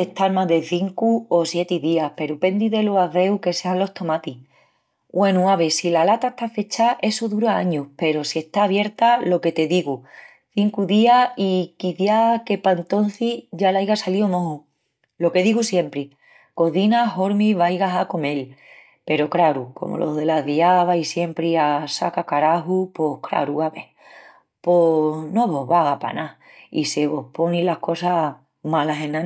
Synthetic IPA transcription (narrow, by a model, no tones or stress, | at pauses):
et̪aɾmãðe̞θiŋkuosje̞t̪iðiahpe̞ɾupe̞nd̪iðe̞loaðe̞wke̞seanlo̞ht̪o̞mat̪i | ɡwe̞nuaβe̞silalat̪aeht̪afe̞t͡ʃaʔe̞soðuɾaaɲuhpe̞ɾo̞sie̞ht̪aːβ̞je̞ɾt̪alo̞ke̞t̪e̞ðiɣu | θiŋkuðiaikiθjake̞paent̪o̞n̟θiʝalajɣasalio̞mõ̞ɦu | lo̞ke̞ðiɣusje̞mpɾi | ko̞ðinaɦo̞ɾmiβajɣaɦako̞me̞l | pe̞ɾo̞kɾaɾuko̞̰mʔo̰lʔo̞̰ɦðe̞laðiaβaisje̞mpɾiasa̰kakaɾaɦupo̞hkɾa̰ɾuaβeh | pono̞βo̞ɦβaɣapa̰naise̞βo̞hpo̞nilahko̞sa | malaɦenã